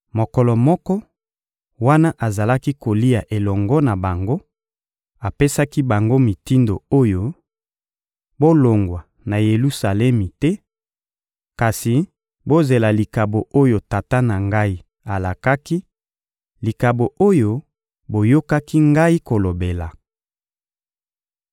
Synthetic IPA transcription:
mo˨kɔ˨lɔ˨mɔ˦kɔ˦ | wa˦na˦ʔa˨za˨la˦ki˦ko˨li˦a˨ʔe˨lɔ˨ŋɡɔ˦na˨ba˨ŋɡo˦ | a˨pe˦sa˦ki˦ba˨ŋɡo˦mi˨ti˦ndo˨o˦jo˦ | bo˦lo˨ŋɡwa˨ | na˨je˨lu˦sa˨lɛ˦mi˨tɛ˦ | ka˨si˨ | bo˦ze˨la˨li˨ka˨bo˨ʔo˦jo˨ta˨ta˦na˨ŋɡa˦i˦ | a˨la˨ka˦ki˦ | li˨ka˨bo˨ʔo˦jo˦ | bo˨jo˦ka˦ki˦ŋɡa˦i˦ko˨lo˨be˨la˨

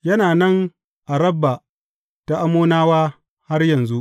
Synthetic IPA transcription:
jɐ˦naː˨nɐ˦ŋ | ʔa˨ɾɐ˦bːa˨ | ta˦ʔa˦moː˦naː˦waː˦ | ha˦rjɐ˨nzu˦ʔ

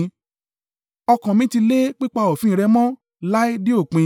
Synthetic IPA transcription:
ɔ˧kã˨mĩ˨˦ti˧le˦k͡pi˦k͡pa˧o˨fĩ˦˨ɾɛ˧mɔ̃˦ | la˦i˦di˦o˦˨k͡pĩ˧

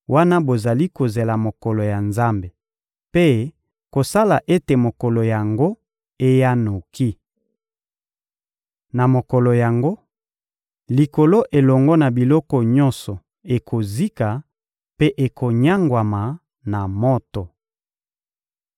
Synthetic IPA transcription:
wa˦na˦bo˨za˨li˦ko˨ze˨la˨mo˨kɔ˨lɔ˨ja˨nza˦mbe˨ | pe˦ | ko˨sa˦la˨ʔe˦te˨mo˨kɔ˨lɔ˨ja˨ŋɡo˦ | e˦ja˦no˨ki˦ | na˨mo˨kɔ˨lɔ˨ja˨ŋɡo˦ | li˨ko˨lo˦ʔe˨lɔ˨ŋɡɔ˦na˨bi˨lɔ˦kɔ˨ɲɔ˦nsɔ˨ | e˨kʰo˨zi˦ka˨ | pe˦ʔe˨kʰo˨ɲa˦ŋɡwa˨ma˨ | na˨mɔ˦tɔ˨

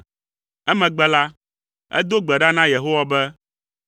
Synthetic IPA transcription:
ɛ˦mɛ̃˨ɡ͡bɛ˦la˦ | ɛ̰˦d̪o˦ɡ͡bɛ˨ɖa˦nã˦je˨ɦo˦wa˨bɛ˦

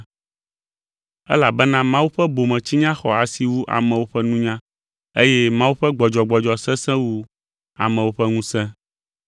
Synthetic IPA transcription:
ɛ̰˦la˨bɛ˦nã˦mã˦wu˦ɸɛ˦bo˨mɛ̃˨t͡ɕi˦ɲã˦xɔ̰˨a˨si˨wu˦ʔa̰˨mɛ̃˨wo˦ɸɛ˦nũ˦ɲã˦ | e˦jɛ˦mã˦wu˦ɸɛ˦ɡ͡bɔ˨d͡ʒɔ˨ɡ͡bɔ˨d͡ʒɔ˨sɛ̃˦sɛ̃˦wu˦ | a̰˨mɛ̃˨wo˦ɸɛ˦ŋũ˦sɛ̃˦

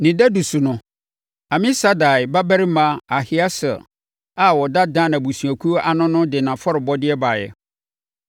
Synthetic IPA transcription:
nɪ̃˨dɛ˦du˨su˨nʊ̃˨ | a˨mɪ̃˦sa˦da˨ɪ˨ba˦bæ˦ɾi˦mã˨a˨hɪ˦a˦sɛ̰˨ | a˦wɔ˨da˦dã˦nã˨bu˨su˨æ˨kʰu˦ʔa˨nʊ̃˦nʊ̃˦dɪ˨nã˨fɔ˦ɾɪ˨bɔ˦dɪ˦ɛ˦ba˨jɛ̰˨

